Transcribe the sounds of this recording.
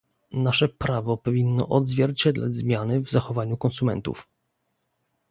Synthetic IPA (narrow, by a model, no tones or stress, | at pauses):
naʂɛpɾavɔpɔvʲinːɔ̰ʔɔd̪zvʲjɛɾt͡ɕɛd̪la̰d͡ʑzmʲjanɘvzaxɔvaɲukɔnsumɛ̰nt̪ṵf